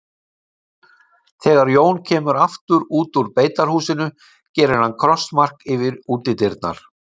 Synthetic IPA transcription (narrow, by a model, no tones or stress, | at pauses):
θɛːɣaɾjoːwncʰɛːmʏɾaft̪ʏɾuːt̪uɾpeːjt̪aɾ̥huːsɪnʏ | cɛːɾɪnankʰɾɔst̪mar̥kɪvɪɾuːt̪ɪt̪ɪɾt̪̚na̰ɾ̥